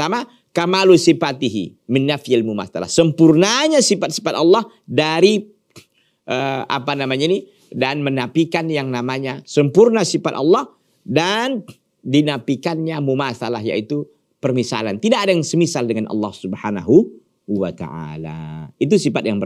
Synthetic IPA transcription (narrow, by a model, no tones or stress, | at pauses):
ama | kamalusipat̪iɦḭmɪnːafjalmuma̰sala̰hsəmpurnaɲasifat̪̚sifat̪ɑlːɑh | daɾi | ʔəa̰panamaɲaini | danmənapikanjaŋnamaɲasəmpurnasifat̪ɑlːɑh | dan | dinapikanɲamumasalahja̰it̪u | pərmisa̰lant̪idaʔadajaŋsəmisaldəŋanʔɑ̰lːɑhsubhanaɦu | wat̪a̰ʔa̰la̰it̪usifat̪̚jaŋbə